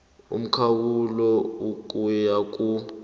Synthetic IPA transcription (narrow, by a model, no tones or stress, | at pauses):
ṵm̩kʰawulɔuk̬ʼujakʼu